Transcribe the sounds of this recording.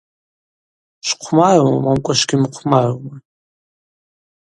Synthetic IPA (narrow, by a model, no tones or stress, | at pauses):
ʃqʷʰmarmamamkʷʼaʃɡʲimɨqʷʰmarma